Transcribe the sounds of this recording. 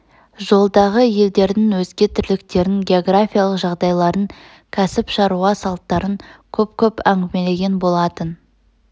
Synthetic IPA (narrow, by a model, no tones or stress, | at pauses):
ʒo̞lˠd̪ɑʁəje̞ld̪e̞ɾd̪ɪŋwɵzɡʲe̞t̪ʰɪɾlɪkt̪e̞ɾɪŋɡʲe̞o̞ɡrafʲijalˠəqʒɑʁd̪ɑjlˠɑɾəŋ | kʲʰæsɪpʃɑɾuʁɑsɑlˠt̪ːɑɾəŋkʲʰɵp̚kʲʰɵpæŋɡʲɪme̞le̞ɡʲe̞nbo̞lˠɑt̪ən